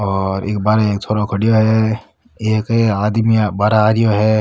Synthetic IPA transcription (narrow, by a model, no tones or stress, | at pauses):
ɔːɾḛːk̚baːɾeeːk̚t̪ʰoːɽokʰɐɽijoɦɛ | eːkeaːd̪mibaːɾaːɾijoɦɛ